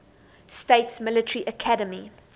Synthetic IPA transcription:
steɪtsmɪlətəɹiʔəkʰadəmi

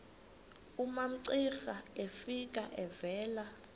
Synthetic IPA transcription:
umam̩ǀixaefik̬ʼaʔɛvɛːla

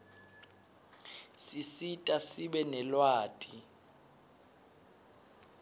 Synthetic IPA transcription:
sisitʼasiɓɛnɛlwaːtʼi

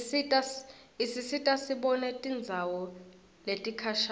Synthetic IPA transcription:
itʼaisisitʼasiɓɔnɛtʼind͡zʱawɔ | letʼikʰaʃ

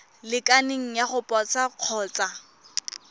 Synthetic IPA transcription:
lɪkʼanɪŋ̩jaχʊpʼɔt͡sʰaq͡χʰɔːt͡sa

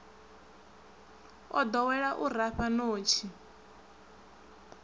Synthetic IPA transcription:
ɔ̰d̪ɔwɛɺaʔuraɸanoːt͡ʃʰi

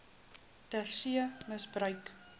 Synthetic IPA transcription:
tərsiəməsbrœɥk

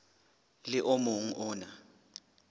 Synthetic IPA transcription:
lɪʔomuŋ̩ʔʊːna

